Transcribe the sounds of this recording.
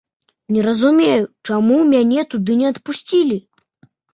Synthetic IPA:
nʲɛɾɐzumʲejut͡ʂamumʲanʲɛt̪ud̪ɨnʲɛɐt̪pusʲt͡sʲilʲi

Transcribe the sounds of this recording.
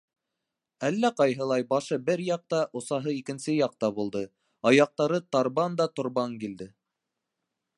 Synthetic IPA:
ælːæqɑjɦɤ̆lˠɑjbɑʃɤbɘɾjɑq̚t̪ɑʔŏsɑɦɤikɘ̆nsɘjɑq̚t̪ɑβulˠd̪ɤ | ɑjɑq̚t̪ɑɾɤt̪ɑɾβɑnd̪ɑt̪ŏɾβɑŋkild̪ɘ

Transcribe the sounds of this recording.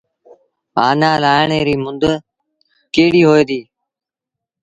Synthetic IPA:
aːnaːlaːɪɳeːɾiːmʊnd̪ə | keːɽiːɦoːeːd̪iː

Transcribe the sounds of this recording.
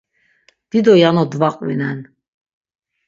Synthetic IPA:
d̪̥id̪ɔjanɔd̪vaqʼvḭnɛn

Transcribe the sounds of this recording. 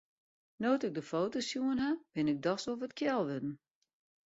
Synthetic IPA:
noːtɪɡ̚dəfowtosjuənɦab̥ɪnɪɡ̚dɔsovətkʰjɛlˠʋɪdn̩

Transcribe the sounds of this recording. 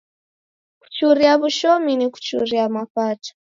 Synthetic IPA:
ku̥t͡ʃuɾiaβuʃɔminiku̥t͡ʃuɾiamaɸatḁ

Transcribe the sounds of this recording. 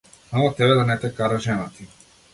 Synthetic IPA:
samat̪ɛβɛd̪anɛt̪ɛkaɾaʒɛnat̪i

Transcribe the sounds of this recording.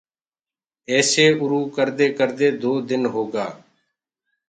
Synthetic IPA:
ɛːseːʊɾuːkəɾd̪eːkəɾd̪eːd̪oːd̪ɪnɦoːɡaː

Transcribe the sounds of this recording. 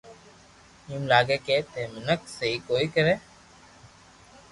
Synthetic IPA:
iːmlaːɡeːkeːt̪eːmɪnəksəɦiːkoːiːkəɾẽː

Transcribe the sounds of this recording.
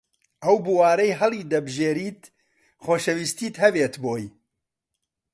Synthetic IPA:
ʔɐwbuwaːɾɐjɦɐlˠiːd̪ɐbɨʒeːɾiːt̪ | χoːʃɐwiːst̪iːt̪hɐbeːt̪boːj

